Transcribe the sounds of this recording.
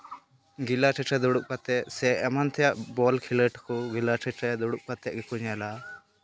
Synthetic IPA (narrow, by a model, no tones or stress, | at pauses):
ɡilaʈʰɛʈʰɛd̪ɔɽuk̚pat̪ɛʔ̚sɛʔɛmant̪ʰɛjaʔbɔlkʰiləʈkɔɡilaʈʰəʈʰɛd̪ɔɽuʔ̚kat̪ɛʔ̚ɡɛkuɲala